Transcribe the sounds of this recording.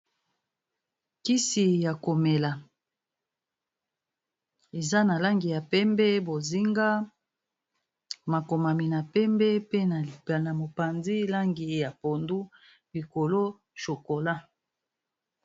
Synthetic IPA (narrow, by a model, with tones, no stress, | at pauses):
ki˦si˨ja˨ko˨me˨la˨ | e˨za˦na˨la˦ŋɡi˨ja˨pɛ˦mbɛ˦bo˨zi˦ŋɡa˦ | ma˨ko˨ma˨mi˨na˨pɛ˦mbɛ˦pe˦na˨na˨mo˨pa˨nzi˦la˦ŋɡi˨˦ja˨po˨ndu˦ | li˨ko˨lo˦ | ʃo˨ko˨la˦